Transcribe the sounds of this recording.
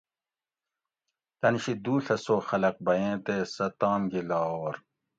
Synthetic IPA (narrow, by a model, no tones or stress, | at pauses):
t̪ɐnɕid̪uːɬɐsoːxɐlɐq̚bɐjẽːt̪esɐt̪aːmɡilaːoːɾ